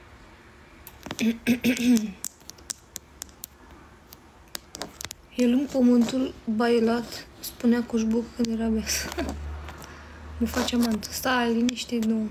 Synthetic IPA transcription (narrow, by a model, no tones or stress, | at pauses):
jelɨŋɡpəmɨnt̪ulbajelat̪spuneakoʒbukkɨnd̪jeɾabeasə | məfat͡ʃamant̪ɨ̥st̪aliniʃt̪ejd̪o